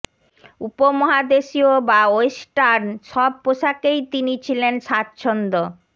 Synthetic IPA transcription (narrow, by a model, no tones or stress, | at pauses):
upomɔɦad̪eʃiobaojsʈaɾnʃɔb̚poʃakejt̪init͡ɕʰilenʃat̪t͡ɕʰond̪o